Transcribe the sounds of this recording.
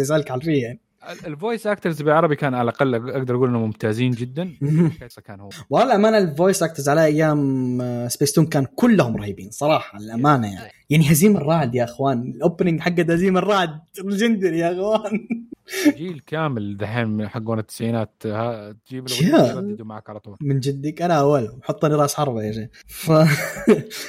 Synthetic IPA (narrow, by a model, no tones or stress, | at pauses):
s̬ʔalkʕalfiːaʕni | ɪlvoːjsʔak̚t̪ɑɾzbɪlʕɑɾˤɑbikaːnʕalʔaqɑlːʔaɡd̪ɑɾˤʔaɡuːlʔɪnamʊmt̪aːziːnd͡ʒɪd̪ːanhħasˤɑkaːnhʊːawʔalʔamaːnalvoːjsʔak̚t̪ɑɾzʕalaʔajːaːmɪsbeːst̪uːnkaːnkʊlːahʊmɾˤɑhiːbiːnsˤɑɾˤɑːħɑlʔamaːnaja̰ʕnijaʕniɦaziːmɪrˤːɑːʕd̪jaʔɪxwaːnɪlʔoːpnɪŋɡħaɡːad̪haziːmɪrˤːɑːʕd̪̚ld͡ʒɪnd̪ɪɾjaʔɪxwaːn | d͡ʒiːlkaːmɪlðaħamħaɡːoːnat̪ːɪ̥sajːɪnaːt̪hat̪d͡ʒiːbad̪umaʕakɑɾˤɑt̪ˤuːɾmɪnd͡ʒɪd̪ːakʔanaʔawːalʊħɑt̪ˤːɑnɪɾˤɑːʔsħɑɾˤbajaʃiː | fa